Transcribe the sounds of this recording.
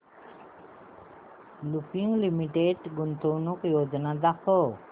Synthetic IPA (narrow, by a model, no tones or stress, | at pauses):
lupiŋlimiʈeɖɡunt̪ownukjod͡ʒnad̪akʰo